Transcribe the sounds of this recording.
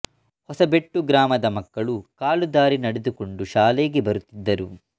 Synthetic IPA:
hɔsɐbeʈːuɡɾaːmɐd̪ɐmɐkːɐɭukaːlud̪aːɾinɐɽed̪uko̞ɳɖuʃaːle̞ːɡebɐɾut̪ːid̪ːɐɾu

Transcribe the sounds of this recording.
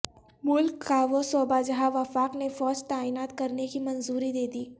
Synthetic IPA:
mʊlkːaːʋosɔːbad͡ʒɐɦaʋɐfaːknefɔːd͡ʒt̪aːiːnaːt̪kɐɾnekimɐnzuːɾid̪eːd̪iː

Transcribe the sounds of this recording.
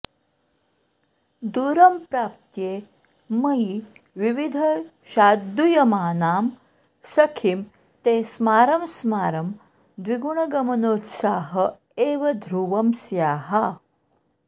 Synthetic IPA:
d̪uːɾɐmpɾaːp̚t̪jeː | mɐi | ʋiʋid̪ʱɐ | ɕaːd̪ːujɐmaːnaːm | sɐkʰim | t̪eːsmaːɾɐmsmaːɾɐm | d̪ʋiɡuɳɐɡɐmɐnoːt̪saːɦɐ | eːʋɐd̪ʱɾuʋɐmsjaːɦa

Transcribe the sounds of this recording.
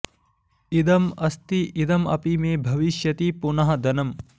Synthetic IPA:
id̪ɐmɐst̪iʔid̪ɐmɐ̰pimeːbʱɐʋiʃjɐt̪ipunɐɦɐ̆d̪ɐnɐm

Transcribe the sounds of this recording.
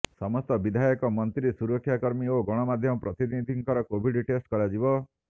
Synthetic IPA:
sɔmɔst̪ɔbid̪ʱajɔkɔmɔnt̪ɾisuɾɔkʰːjakɔɾmioɡɔɽ̃ɔmad̪ʱjɔmɔpɾɔt̪id̪inid̪ʱiŋkɔɾɔkobʱiɖiʈesʈkɔɾad͡ʒibɔ

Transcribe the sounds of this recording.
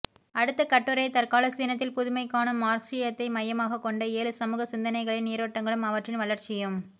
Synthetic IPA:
ɐɽɯt̪ːɐkɐʈːɯɾɐɪt̪ɐɾkaːlɐsiːnɐt̪ːɪlpʊðʊmɐɪkːaːɳɯmːaːɾksɪjɐt̪ːɐɪmɐjːɐmaːɣɐkːɔɳɖɐeːlɯsɐmuːɣɐsɪnd̪ɐnɐɪɣɐɭɪnːiːɾʋɐʈːɐŋɡɐɭɯmɐʋɐʈrɪnʋɐɭɐɾt͡ʃɪjɯm

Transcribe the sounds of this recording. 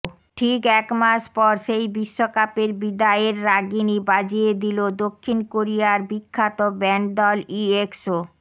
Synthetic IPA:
ʈʰikɛkmaʃpɔɾʃejbiʃːokapeɾbid̪aeɾːaɡinibad͡ʑied̪ilod̪okʰːinkoɾijaɾbikʰːat̪obɛɳʈ̚d̪ɔliekso

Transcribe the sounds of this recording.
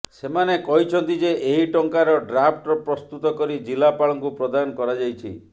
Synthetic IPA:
semanekɔɦit͡ʃʰɔnt̪id͡ʒeʔeɦiʈɔŋkaɾɔɖɾapʰʈɔpɾɔst̪ut̪ɔkɔɾid͡ʒilapaɭɔŋkupɾɔd̪anɔkɔɾad͡ʒajt͡ʃʰḭ

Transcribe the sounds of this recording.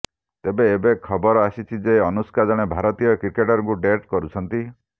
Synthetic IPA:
t̪ebeːbekʰɔbɔɾɔasit͡ʃʰid͡ʒeɔnuskad͡ʒɔɽ̃ebʱaɾɔt̪ijɔkɾikeʈɔɾɔŋkuɖeʈkɔɾut͡ʃʰɔnt̪i

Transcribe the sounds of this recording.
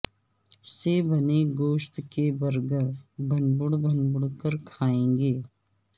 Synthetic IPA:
sebɐneɡoːʃt̪kebɐɾɡəɾbʱɐnbʊɽbʱənbʊɽkəɾkʰaːẽːŋɡeː

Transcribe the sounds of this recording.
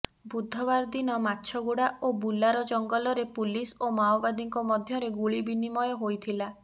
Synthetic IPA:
bud̪ʱːɔβaɾd̪inɔmatːʃʰɔɡuɽaobulːaɾɔd͡ʒɔŋɡɔlɔɾepulisomaobad̪iŋkɔmɔd̪ʱjɔɾeɡuɭibinimɔjɔɦojt̪ʰila

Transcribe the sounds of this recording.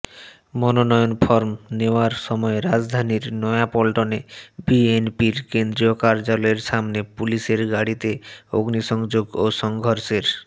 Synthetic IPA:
mɔnonɔjonpʰɔɾmneoaɾʃɔmɔeɾad͡ʑd̪ʱaniɾnɔjapɔlʈonebienpiɾkend̪ɾiokaɾd͡ʑalɔeɾʃamnepuliʃeɾɡaɽit̪eoɡniʃɔŋd͡ʑoɡoʃɔŋɡʱɔɾseɾ

